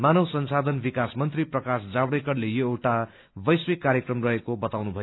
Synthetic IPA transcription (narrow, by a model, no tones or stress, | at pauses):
manʌwsʌnsad̪ʱʌnbikasmʌnt̪riprʌkasd͡zabɽekʌrlejoewʈa | bʌjswikːaɾjʌkrʌmrʌɦekobʌt̪awnubʱʌj